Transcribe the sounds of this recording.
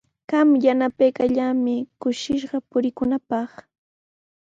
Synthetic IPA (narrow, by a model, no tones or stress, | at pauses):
ɢ̥ɑmjanapajkaʎamɪkʊʃɪʃɢɑpʊɾɪkʊnapɑχ